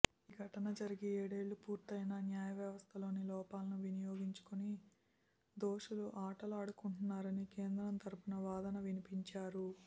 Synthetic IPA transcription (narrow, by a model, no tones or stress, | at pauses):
iːɡʱɐʈɐnɐd͡ʒɐɾiɡieːɽe̞ːɭːupuːɾt̪ɐjnɐnjaːjɐʋjɐʋɐst̪ʰɐlo̞ːnilɔːpaːlɐnuʋinijo̞ːɡiɲt͡ʃu̥kuni | d̪o̞ːʂuluʔaːʈɐlaːɽukuɳʈunːaːɾɐnike̞ːnd̪ɾɐnt̪ʰɐɾupunɐʋaːd̪ɐnɐʋinipiɲt͡ʃaːɾu